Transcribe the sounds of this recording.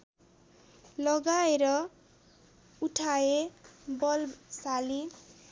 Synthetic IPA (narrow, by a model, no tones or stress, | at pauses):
lʌɡaeɾʌ | uʈʰaebʌlsali